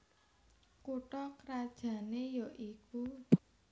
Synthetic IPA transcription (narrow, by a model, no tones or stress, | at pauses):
kuʈɔkɾad̥ʒ̥ä̤nejɔʔiku